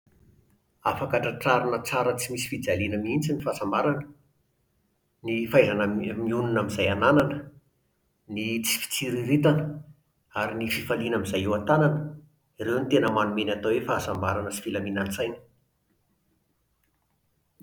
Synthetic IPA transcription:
afakaʈ͡ʂəʈ͡ʂaɾunət͡saɾət͡simisi̥fid͡zalinəmiint͡sinifasambaɾanə | nifajzanəmiununamizajanananə | nit͡si̥fi̥t͡siɾiɾit̪anə | aɾinififalinamizajewat̪ananə̥ | iɾewnit̪enəmanumenʲat̪owefaːsambaɾanəsi̥filaminant͡sajnə̥

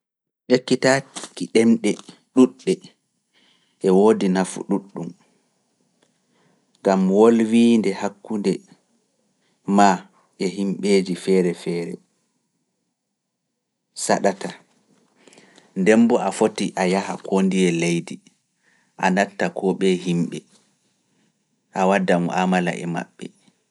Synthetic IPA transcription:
ʔekːitakiɗɛmɗɛ | ɗuɗːɛ | ʔɛwoːdinafṵɗuɗːum | ɡamwolwiːndɛhakːundɛ | ma | ʔɛɦimɓeːd͡ʒifɛːɾɛfɛːɾɛ̰ | saɗata | ndɛmbɔafotiʔajahakʰondijɛlejdi | ʔanatːakʰɔɓɛɦimɓɛ | ʔawadamɔʔamala̰ʔɛ̰ma̰ɓːɛ

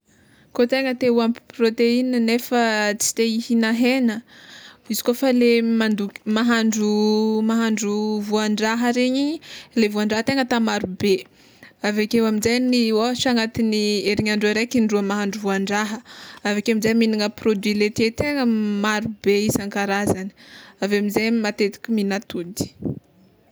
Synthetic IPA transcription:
kot̪eŋət̪euamiprot̪einənefət͡si̥t̪eihinaɦenə | izi̥kofalemand̪ukmaɦaɳɖ͡ʐumaɦaɳɖ͡ʐuvuaɳɖ͡ʐaɦəɾeɲilevuaɳɖ͡ʐaɦət̪eŋət̪amaɾube | avekewaminzajniwoʃaŋat̪inieɾiɲaɳɖ͡ʐuaɾekinɖ͡ʐuəmaɦaɳɖ͡ʐuvuaɳɖ͡ʐaɦəavekeamizajminiŋəprod̪wilet̪et̪eŋəmaɾubeisaŋkaɾazani̥avamizajmat̪et̪i̥kʲuminat̪ud̪i̥

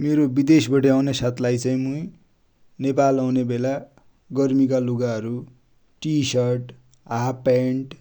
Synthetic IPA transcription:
meɾobid̪esbʌʈʌawnesat̪lajt͡saĩmui | nepalawnebela | ɡʌrmik̬aluɡaɦʌɾu | ʈisʌrʈ | ɦapeɳʈ

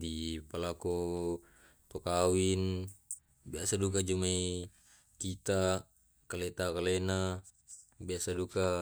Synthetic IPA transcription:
dipalakɔ | t̪ɔkawin | biasadukad͡ʒumai | kit̪a | kalɛt̪akalɛna | biasaduka

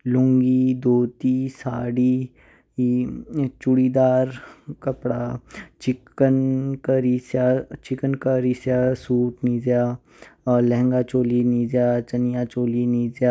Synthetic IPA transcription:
lʊ̃ŋɡiːd̪oːt̪iːsaːɽi | it͡ʃʊɽiːd̪aːɾkəpɽaːt͡ʃɪkənkəɾisjat͡ʃɪkənkəɾiːsjaːsuːʈniːd͡ʒjaː | lɛ̃ɦŋɡaːt͡ʃoːliniːd͡ʒjaːt͡ʃənijaːt͡ʃoːliːniːzjaː

